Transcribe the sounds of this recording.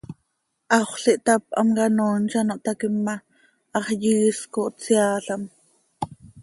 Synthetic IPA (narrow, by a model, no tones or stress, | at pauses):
ʔɑχɬiʔt̪ɑp̚ʔɑ̰mkɑnoːnt͡ʃɑnoʔt̪ɑkimːɑ | ʔɑχjiːskoʔt͡siɑːɬɑm